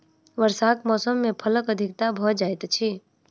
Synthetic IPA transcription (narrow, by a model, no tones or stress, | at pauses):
ʋəɾsaːkmɔːsəmːẽpʰələkəd̪ʱɪk̚t̪abʱɔːd͡ʒaːjt̪t͡ʃʰi